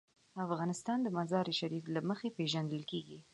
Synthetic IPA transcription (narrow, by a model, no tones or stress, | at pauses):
afɣɑnɪst̪ɑnd̪əmazɑɾiʃaɾiflaməxepeʒand̪əlkeɡi